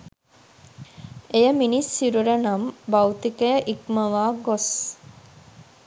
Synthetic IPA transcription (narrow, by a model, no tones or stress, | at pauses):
ejəminisːiɾuɾənɐmbɐwt̪ikejʔikməʋaːɡos